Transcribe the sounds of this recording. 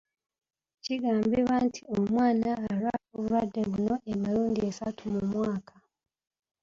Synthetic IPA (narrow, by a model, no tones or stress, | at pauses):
ciɡaːmbiβantʰiommwaːnaːɾa̰oβuɾadːeβuno̞ʔemaɾuːndiesatumumwaːkʰḁ